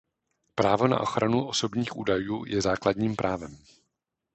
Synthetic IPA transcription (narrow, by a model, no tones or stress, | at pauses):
pɾaːvo̞na̰ʔo̞xɾanuʔo̞so̞bɲiːxʔuːdajuːjɛzaːkladɲiːmpɾʔaːvɛm